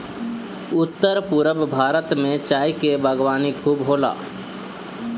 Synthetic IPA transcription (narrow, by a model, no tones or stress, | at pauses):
ʊt̪ːəɾpuɾəbbʱaːɾət̪mẽt͡ʃaːikebʱəɡwaːnikʰuːbɦoːla̰ː